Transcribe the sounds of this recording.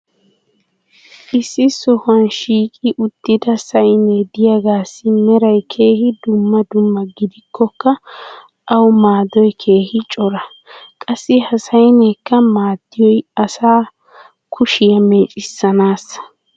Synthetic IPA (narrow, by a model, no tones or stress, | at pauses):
ʔɪsːɪsɔhɐnʃiːkʼɪʔʊd̪̥ːɪd̪ɐsɐjned̪ɪjaɡaːsːɪmɛɾɐjkʰe̞ːhɪd̪ʊmːɐd̪ʊmːɐɡɪd̪ɪkʰːɔkːɐ | ɐwmaːd̪ɔjkʰe̞ːhɪt͡ʃʼɔɾɐ | kʼɐsːɪhɐsɐjnɛkːɐmaːd̪ːɪjɔjɐsaː | kʰʊʃɪjɐme̞ːt͡ʃʼɪsːɐnaːsɐ̥